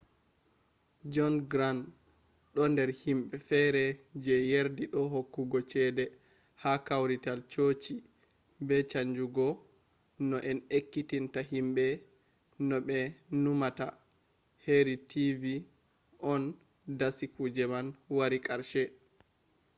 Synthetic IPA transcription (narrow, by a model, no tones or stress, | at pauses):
d͡ʒɔnɡɾan | ɗɔndɛɾhimɓɛfɛɾɛd͡ʒɛjeɾdiɗɔɦokːuɡɔt͡ʃɛdɛ | hakawɾitalt͡ʃoːt͡ʃi | bɛt͡ʃaɲd͡ʒuɡɔ | nɔʔɛnekːitintaɦimɓɛ | nɔɓɛnumata | heɾitivi | ʔɔn | dasikud͡ʒɛmanwaɾikʰʼaɾʃɛ